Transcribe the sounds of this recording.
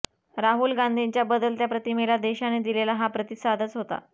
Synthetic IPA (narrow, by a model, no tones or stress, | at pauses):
ɾaɦulɡãnd̪ʱiɲt͡ɕjabəd̪əlt̪japɾət̪imelad̪eɕaned̪ilelaɦapɾət̪isad̪ʱət͡sɦot̪a̰